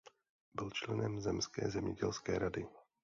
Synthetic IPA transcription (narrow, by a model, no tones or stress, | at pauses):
bɪlt͡ʃlɛnɛmzɛmskɛ̰ːzɛmɲɛɟɛlskɛ̰ːɾadɪ